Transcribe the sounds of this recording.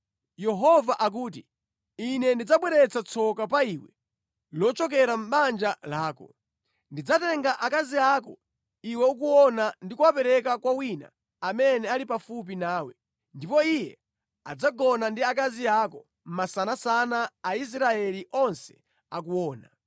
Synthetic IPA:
jɛɦɔvaʔak̬uːt̬i | inɛndid͡zaɓwɛɾɛt͡sat͡sʰɔkap̬aiwɛ̰ | lɔt͡ʃɔk̬ɛɾam̩ɓand͡ʒalaːkɔ̰ | ndid͡zatɛŋɡaʔakaziaːkɔ | iwɛuk̬uɔnandikuwapɛɾɛk̬akwawina̰ | amɛnɛalipafup̬inaːwɛ | ndipɔijɛ | a̰d͡zaɡɔnandiak̬aziakɔ | m̩masanasanaaːis̬ɾaɛliʔɔnsɛ̥ | ak̬uwɔːna

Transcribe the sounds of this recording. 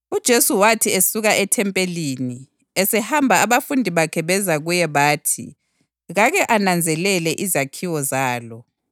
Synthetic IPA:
ud̥ʒ̥ʱesuwatʰiesuɣaʔɛtʰɛmpʼeliːni | ɛsɛhambʱaːβafundʱiβakʰɛβɛzaɣujɛβaːtʰḭ | ɣaɣɛʔanand͡zʱɛlɛlɛʔizakʰiwɔzaːlɔ

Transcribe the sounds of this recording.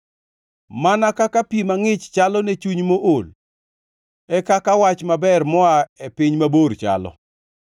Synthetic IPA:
manakakapimaŋɪt͡ʃt͡ʃalɔnet͡ʃuɲmoʔol | ɛkakawat͡ʃmabɛrmɔaepɪɲmabort͡ʃa̰lɔ̰

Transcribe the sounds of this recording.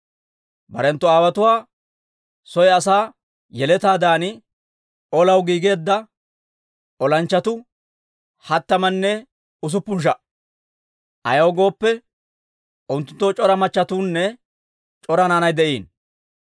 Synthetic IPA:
bɐ̰ɾɛnt̪ːɔaːwɐt̪ʊwaː | sɔjɐsaː | jɛlɛt̪aːd̪aːnɪ | ɔlɐwɡiːɡe̞ːd̪ːɐ | ʔɔlɐnt͡ʃːɐt̪ʊ | hɐt̪ːɐmɐnːɛ | ʊs̬ʊpːʊnʃ̬ɐ | ʔɐ̰jɐwɡo̞ːpːɛ | ʔʊnt̪ːʊnt̪ːot͡ʃʼɔɾɐmɐt͡ʃːɐt̪uːnːɛ | t͡ʃʼɔɾɐnaːnɐjd̪ɛʔiːn

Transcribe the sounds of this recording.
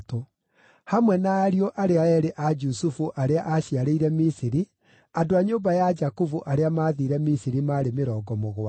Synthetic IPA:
to | hamwɛnaːɾioʔaɾeaɛɾeʔad͡ʒusufuʔaɾeaʔaɕiaɾeiɾɛmisiɾi | adoaɲoːbajad͡ʒakuvuʔaɾeamaːðiɾɛmisiɾimaːɾemeɾɔːɡɔmoɣwa

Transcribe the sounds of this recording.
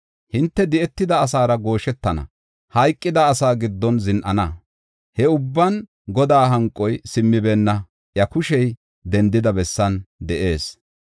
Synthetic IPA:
hɪnt̪ːɛd̪ɪʔɛt̪ːɪd̪ɐːs̬aːɾɐɡo̞ːʃɛt̪ːɐnɐ̰ | hɐjkʼːɪd̪ɐːsaːɡɪd̪ːɔnzɪnʔɐnɐ | hɛʊbːɐn | ɡɔd̪aːɦɐŋkʼːɔjsɪmːɪbɛːnːɐ | ʔjɐkʊʃɛj | d̪ɛnd̪ːɪd̪ɐbɛsːɐnd̪ɛʔe̞ːs

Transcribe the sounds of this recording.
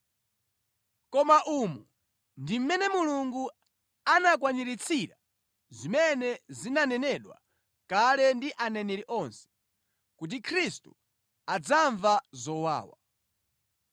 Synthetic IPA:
kɔmaʔumu | ndim̩mɛnɛmuluŋɡu | anak̬waniɾit͡sʰiɾa | zimɛnɛzinanɛnɛɗwa̰ | kalɛndiʔanɛnɛɾiʔɔnsɛ̥ | kut̬ikʰɾistu̥ | ad͡zaɱvazɔwa̰ːwa̰

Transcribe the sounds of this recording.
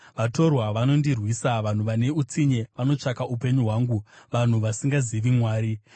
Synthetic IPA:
ʋato̞rwaʋano̞ndirwiːsaʋan̤uʋane̞ut͡siɲe̞ʋano̞t͡ʂakaupe̞ɲuɦwaːŋɡuʋan̤uʋasiŋɡaziʋimwaːɾi

